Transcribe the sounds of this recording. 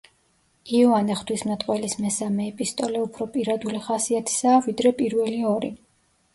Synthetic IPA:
iɔanɛχt̪ʰwismnat̪ʼqʼwɛlismɛsamɛːpʼist̪ʼɔlɛupʰɾɔpʼiɾad̪uliχasiat̪ʰi̥saːvid̪ɾɛpʼiɾvɛliɔɾi

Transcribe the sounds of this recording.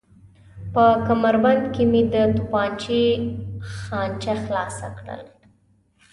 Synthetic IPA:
pəkamaɾband̪kemid̪ət̪upɑnt͡ʃi | xɑnt͡ʃaxlɑsa̰kɽə̰l

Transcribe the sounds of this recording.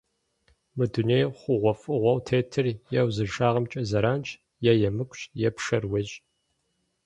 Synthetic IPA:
mɨduneːjχʷʊʁʷɔfʼɨʁʷɔwtʰeːtʰɨrjɛwzɨʃaːʁɐmt͡ʃʼɐzɐɾaːnt͡ʃʰʼ | jajɛmɨkʷʰʼɕjɛpʂɐrweɕʼ

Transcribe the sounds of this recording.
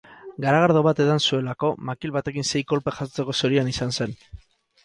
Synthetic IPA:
ɡaɾaɣaɾð̞o̞βat̪e̞ðansue̞lako̞makilβat̪e̞kinse̞jko̞lpexast͡se̞ko̞soɾianisanse̞n

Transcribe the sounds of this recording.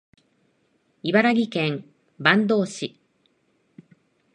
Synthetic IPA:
ibaɾaɡʲikẽ̞ŋ | bãnd̪o̞ːɕi

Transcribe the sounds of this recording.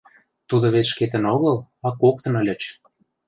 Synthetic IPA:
t̪ud̪oβet̪ʃket̪ə̆noɣəlɑkːok̚t̪ə̆nəlʲə̆t͡ɕ

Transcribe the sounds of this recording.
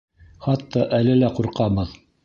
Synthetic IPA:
χɑt̪ːɑʔælɘlæquɾqɑbɤð

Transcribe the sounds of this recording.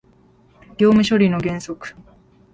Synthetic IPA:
ɡʲo̞ːmɯ̟ɕo̞ɾʲino̞ɡẽ̞ɰ̃so̞kɯ̟̥

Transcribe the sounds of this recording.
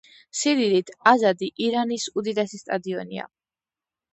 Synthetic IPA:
siɾiɾit̪ʰazad̪iʔiɾanisud̪id̪ɛsist̪ʼad̪iɔnḭa̰

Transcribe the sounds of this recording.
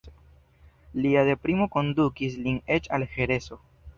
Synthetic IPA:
liade̞pɾimo̞ko̞ndukis̬line̞t͡ʃalhe̞ɾe̞so̞

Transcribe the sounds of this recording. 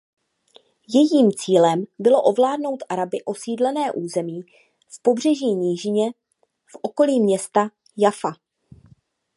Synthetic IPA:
jɛjiːmt͡siːlɛmbɪlo̞ʔo̞vlaːdno̞wt̪ʔaɾabɪʔo̞siːdlɛnɛːʔuːzɛmiː | fpo̞br̝ɛʒiːɲiːʒɪɲɛ | fʔo̞ko̞liːmɲɛst̪a | jafa

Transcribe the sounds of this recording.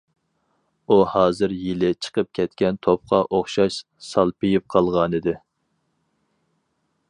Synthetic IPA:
uhɑːzɨɾjilɪt͡ʃʰə̥qʰəp̚kʲʰɛt̪kʲɛnt̪ʰop̚qʰɑʔoχʃɑʃ | sɑlˠpɪjip̚qʰɑlˠʁɑnɨd̪ɪ

